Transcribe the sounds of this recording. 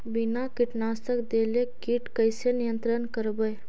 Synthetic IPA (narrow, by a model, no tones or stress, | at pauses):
binakiʈnaːst̪əkd̪elekiʈkəjsenijənt̪ɾənkəɾbəj